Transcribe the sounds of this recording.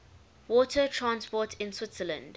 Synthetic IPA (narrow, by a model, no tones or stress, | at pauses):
wɔtʰətʰɹãnspɔtʰɪ̃nswɪtsələ̃nd